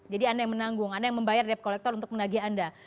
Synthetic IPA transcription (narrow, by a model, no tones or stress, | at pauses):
d͡ʒadiandajaŋmənaŋɡʊŋandajaŋməmbajardiɛp̚kolɛk̚t̪ɔrunt̪ʊkmənaɡianda